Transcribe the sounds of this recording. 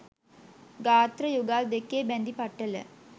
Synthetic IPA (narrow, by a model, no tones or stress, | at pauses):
ɡaːt̪ɾɐjuɡaːld̪ekːeːbɛnd̪ipɐʈːɐlə̰